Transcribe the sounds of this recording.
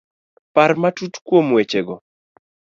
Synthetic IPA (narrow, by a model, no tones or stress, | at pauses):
paɾmatutkwomwet͡ʃeɡɔ